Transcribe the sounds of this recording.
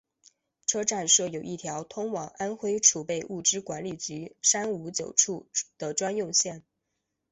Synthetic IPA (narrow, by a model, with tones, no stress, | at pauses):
ʈ͡ʂʰɤ˥ʈ͡ʂa˥˧nʂɤ˥˩jo˨˩ʊʔi˥˩t̪ʰjɑ˧˥ʊt̪ʰʊ˥ŋwɑ˨˩ŋa˥nxwe˥ɪʈ͡ʂʰu˨˩pe˥˧ɪʔu˥˩ʈ͡ʂɻ̩˥kwa˧˥nli˨˩t͡ɕy˧˥ʂa˥nu˧˥t͡ɕjo˨˩ʊʈ͡ʂʰu˥˩d̪̥ə˨ʈ͡ʂwa˥njʊ˥˧ŋɕjɛ˥˩n